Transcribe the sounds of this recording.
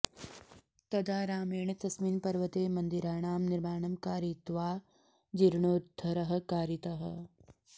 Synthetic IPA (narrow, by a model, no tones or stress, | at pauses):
t̪ɐd̪aːɾaːmeːɳɐt̪ɐsminpɐɾʋɐt̪eːmɐnd̪iɾaːɳaːmniɾmaːɳɐmkaːɾit̪ʋaː | d͡ʒiɾɳoːd̪d̪ʱːɐɾɐɦɐ̆kaːɾit̪ɐɦɐ̰